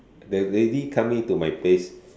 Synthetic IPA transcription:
dɛɹedikʰãmĩŋtumajples

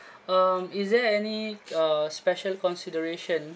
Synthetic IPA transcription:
amisdɛɛniʌspɛʃəlkɔ̃nsidəɹeʃə̃n

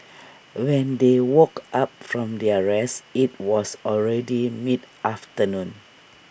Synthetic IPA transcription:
wɛ̃ndewokap̚fɹɔ̃mdiaɹɛsit̚wɔsɔlɹɛdimit | aftənũn

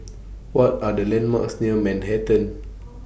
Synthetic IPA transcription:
wɔtadəlɛ̃nma̰ksnimɛ̃nhɛtə̃n

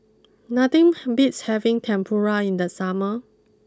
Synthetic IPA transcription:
nat̪ĩŋbitshɛvĩŋtʰɛ̃mpʰɔɹaĩnd̪əsamə

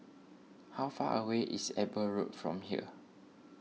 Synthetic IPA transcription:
hawfa̰ʔəweʔḭsɛbəɹot̚fɹɔ̰̃mhiə̰

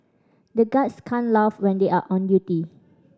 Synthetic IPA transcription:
dəɡatskʰãnlafwɛ̃ndeʔaʔɔ̃ndjuti

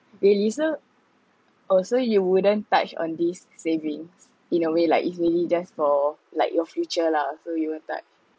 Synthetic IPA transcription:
ɹiliso | ʔɔlsojuwudə̃nta̰t͡ʃɔ̰̃ndisːevĩŋs | ĩnəwelaɪkisɹilid͡ʒasfɔlaɪk̚jɔfjut͡ʃəlasojuwə̃nta̰t͡ʃ

